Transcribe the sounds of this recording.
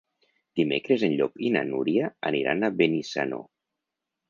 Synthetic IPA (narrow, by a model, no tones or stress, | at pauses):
d̪̥imekɾezenʎɔkina̰nuɾiaaniɾa̰naβenisa̰no̰